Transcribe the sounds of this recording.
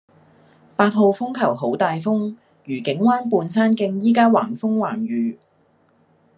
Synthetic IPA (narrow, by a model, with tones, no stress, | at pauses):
paː˧t̚ɦo˨˧wfʊ˥ŋkʰɐ˨˩wɦo˨˥wt̪aː˨jfʊ˥ŋ | jyː˨˩kɪ˨˥ŋwaː˥npuː˧nsaː˥nkɪ˧ŋjiː˥kaː˥waː˨˩nfʊ˥ŋwaː˨˩ŋɥyː˨˥